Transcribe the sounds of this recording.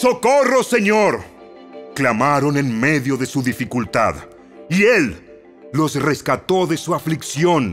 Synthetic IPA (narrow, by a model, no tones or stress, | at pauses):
sokoro̞se̞ɲo̞ɾ | klamaɾo̞nenme̞ðjo̞ðe̞suðifikult̪a̰ð | ielː | o̞sre̞skat̪o̞ðe̞suafliksjo̞n